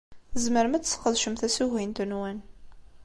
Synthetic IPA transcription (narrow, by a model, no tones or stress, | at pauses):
əzməɾmæt͡sːsqːəðˤʃəmθæsuhint̪ənwæn